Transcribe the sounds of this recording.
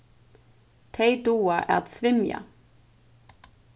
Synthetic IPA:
t̪ʰeɪd̪uːɑʔæ̰ːʁt̪sʋɪmjɑ̰

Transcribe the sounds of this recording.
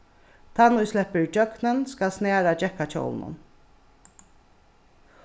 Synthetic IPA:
t̪ʰɑnuʉslɛpəɹd͡ʒœknənskɑsneːɾɑd͡ʒɛkɑc͡çʰo̰wlnʊ̰n

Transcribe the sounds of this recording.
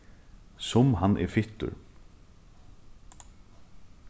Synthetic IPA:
sʊmɦanːʔɛ̰ɾfɪht̪ʊ̰ɾ

